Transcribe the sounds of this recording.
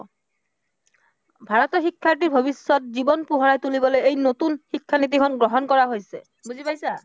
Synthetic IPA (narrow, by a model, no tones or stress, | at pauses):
bʱaɹɔt̪ɔxikʰːaʈ̬iɹbʱobisːɔt̪̚zibɔnpuɦɔɹajt̪ulibɔlojejnot̪unxikʰːanit̪̬ikʰɔnɡɹɔɦɔnkɔɹaɦojse | buzipajsa